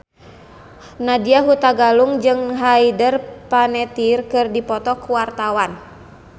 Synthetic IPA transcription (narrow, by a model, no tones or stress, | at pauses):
nadiaɦut̪aɡaluŋd͡ʒɨŋɦaidərpanɛt̪irkɨrdipɔt̪ɔkuwart̪awan